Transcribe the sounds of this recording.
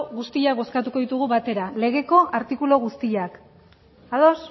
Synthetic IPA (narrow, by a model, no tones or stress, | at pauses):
ɣust̪iakbo̞skat̪uko̞ðit̪uɣ̞uβat̪e̞ɾale̞ɣ̞e̞ko̞ʔaɾt̪ikulo̞ɣ̞ust̪iak | aðo̞s